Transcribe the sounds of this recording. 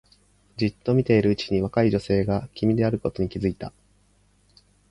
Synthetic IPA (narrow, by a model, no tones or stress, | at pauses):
d͡ʑit̪ːo̞mʲit̪e̞iɾɯ̟ɯ̟t͡ɕi̥ɲ̟iβ̞akaiʑo̞se̞ːɡakʲʰimʲid̪e̞aɾɯ̟ko̞t̪o̞ɲ̟ikʲizɨit̪a